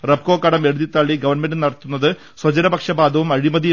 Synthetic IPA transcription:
rɐb̚ko̞ːkːɐɽɐme̞ɻud̪it̪ːɐɭːiɡɐʋɐrɳmenɖɨnɐɽɐt̪ːunːɐðɨ | swɐd͡ʑɐɾɐbɐkʂɐbaːd̪ʱɐʋumɐɻimɐði

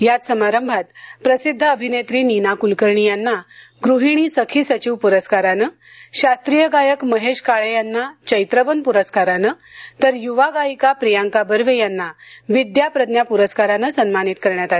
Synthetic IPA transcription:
jat̪səmaɾəmbʱat̪̚pɾəsid̪ʱːəəbʱinet̪ɾiːninakulkəɾɳijanːa | ɡɾuɦiɽ̃isəkʰiːsət͡ɕiʋpuɾəskaɾanə | ɕast̪ɾijəɡajəkməɦeɕkaɭejanːat͡ɕəjt̪ɾəbənpuɾəskaɾanə | t̪əɾjuʋaɡajikapɾijaŋkabəɾʋejanːaʋid̪japɾəd̪njapuɾəskaɾanəsənmanit̪̚kəɾɳjat̪a

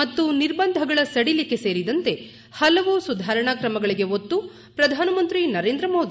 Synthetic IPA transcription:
mɐt̪ːuniɾbɐnd̪ʱɐɡɐɭɐsɐɽilikːe̞se̞ːɾid̪ɐnt̪e̞ | hɐlɐʋusud̪ʱaːɾɐɳaːkɾɐmɐɡɐɭiɡe̞ot̪ːu | pɾɐd̪ʱaːnɐmɐnt̪ɾinɐɾe̞ːnd̪ɾɐmo̞ːd̪i

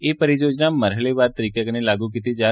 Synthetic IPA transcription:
epəɾid͡ʒod͡ʒnaməɾɦəleʋaɾt̪əɾikəknelaɡuk̬it̪id͡ʒa

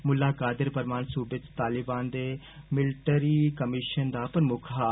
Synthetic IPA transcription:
mʊlaːkaːd̪ɪɾpəɾmaːnsuːbɪt̪t̪aːlɪbaːnd̪eː | mɪlʈəɾiːkəmɪʃənd̪aːpɾəmʊkʰaː

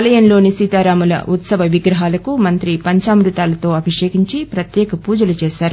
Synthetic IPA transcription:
ɐlɐjɐnlo̞ːnisiːt̪aːɾaːmɐlɐ̰ʔut̪sɐʋɐʋiɡɾɐɦaːlɐkumɐnt̪ɾipɐɲt͡ʃaːmɾut̪aːlɐt̪o̞ːɐbiʂeːɡiɲt͡ʃipɾɐt̪jɛːkɐpuːd͡ʒɐlut͡ʃɛːʃaːɾu

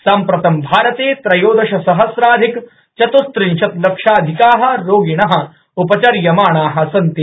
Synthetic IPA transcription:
saːmpɾɐt̪ɐmbʱaːɾɐt̪eːt̪ɾɐjoːd̪ɐʃɐsɐɦɐsɾaːd̪ʱik | t͡ʃɐt̪ust̪ɾinʃɐt̪lɐkʂaːd̪ʱikaːɦɐ̆ɾoːɡinɐɦɐ̆ | upɐt͡ʃɐɾjɐmaːɳaːɦɐ̆sɐnt̪i

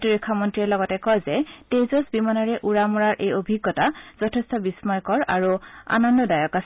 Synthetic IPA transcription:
tiɹikʰːamɔntɹiɛlɔɡɔtɛkɔjzɛtejzɔsbimanɔɹɛʔuɹamuɹaɹʔejobʱiɡːɔtaz̥ɔtʰestɔbismɔjkɔɹa̰ɹua̰nɔndɔdajɔkas

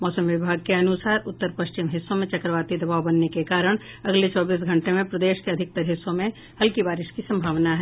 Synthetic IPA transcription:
mɔːsəmʋɪbʱaːɡ̚keɐnʊsaːɾʊt̪ːəɾpɐʃt͡ʃɪmɦɪsːõmẽt͡ʃɐkɾəʋaːt̪id̪ɐbaːʋbɐnːekekaːɾəɽ̃ | ɐɡlet͡ʃɔːbiːs̬ɡʱɐ̃ɳʈemẽpɾɐd̪eːʃkeɐd̪ʱɪk̚t̪ɐɾɦɪsːõmẽ | hɐlkibaːɾɪʃkisɐ̃mbʱaːʋnaɦɛː

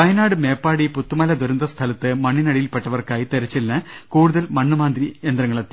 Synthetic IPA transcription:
ɐjɐnaːɽɨme̞ːpːaːɽiput̪ːumɐlɐd̪oɾɐnd̪ɐst̪ʰɐlɐt̪ːɨmɐɳːinɐɽijilpeʈːɐʋɐrkaːjt̪eɾɐt͡ɕːelnɐkuːɽuðɐlmɐɳːɨmaːnd̪rie̞nd̪ɾɐŋːɐɭɐt̪ːi

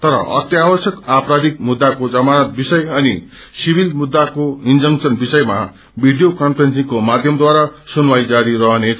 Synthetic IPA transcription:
t̪ʌɾʌ̰ʔʌ̰t̪jabʌsjʌkaprad̪ik̚mud̪ːakod͡zʌmanʌt̪̚bisʌjʌni | sibʱilmud̪ːakoind͡zʌŋksʌnbisʌjma | bʱiɖijokʌnpʰrensiŋkomad̪ʱjʌmd̪waɾasunwajd͡zaɾiɾʌɦʌnet͡sʰ

